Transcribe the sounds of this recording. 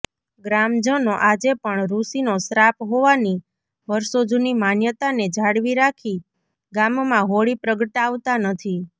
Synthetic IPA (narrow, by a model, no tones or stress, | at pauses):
ɡɾamd͡ʒənoʔad͡ʒepəɳɾusinosɾapɦoʋani | ʋəɾsod͡ʒunimanjət̪aned͡ʒʱaɽʋiɾakʰi | ɡammãɦoɭipɾəɡəʈaʋt̪anət̪ʰi